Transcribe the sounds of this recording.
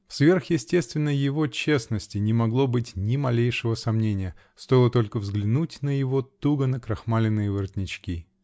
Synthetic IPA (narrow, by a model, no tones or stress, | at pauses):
fsvʲe̞rxjɪsʲtʲe̞st̪vʲɪnːəjɪvo̞t͡ɕe̞snəsʲtʲɪnʲɪmɐɡlˠo̞bɨtʲnʲɪmɐlʲejʂɨvəsɐmnʲenʲɪjə | st̪o̞jɪlˠət̪o̞lʲkəvzɡlʲɪnutʲnəjɪvo̞t̪uɡənəkɾɐxmalʲɪnːɨjəvɨrt̪ʲnʲɪt͡ɕkʲi